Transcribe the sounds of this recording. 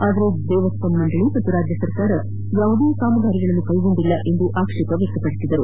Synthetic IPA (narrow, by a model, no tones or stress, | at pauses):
aːd̪ɐɾed̪ɛːʋɐspɐmːɐɳɖ̪ɐɭimɐt̪ːuɾaːd͡ʒjɐsɐɾkaːɾɐ | jaːʋd̪eːjkaːmɐɡaːɾiɡɐɭɐnːukɐjɡo̞ɳd̪ilːɐʔe̞nd̪uʔaːkʂik̪ɐʋjɛk̚t̪ɐpɐɽisid̪ɐɾu